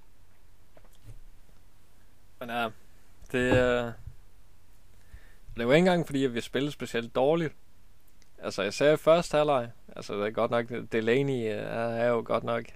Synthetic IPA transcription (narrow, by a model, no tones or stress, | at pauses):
menæ | d̥e̝ | ɒd̥e̝ʋɑe̝nɡɑ̈ŋ̰fɒd̥ḭːæʋisb̥e̝l̩sb̥e̝siel̰d̥ːɒːlid̥ | ʔælsəjsɛ̰ɐifɶɐsd̥ælɑ̈ɪ | ʔælsəd̥eɡ̥ɒ̽d̥nɒ̽ɡ̥d̥eleːniææɐjoɡ̥ɒ̽d̥nɒ̽ɡ̥